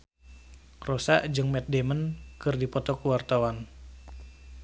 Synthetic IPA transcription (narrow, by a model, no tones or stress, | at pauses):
rɔsa̰ʔd͡ʒɨŋmɛt̪̚demənkɨrdipɔt̪ɔkuwart̪awan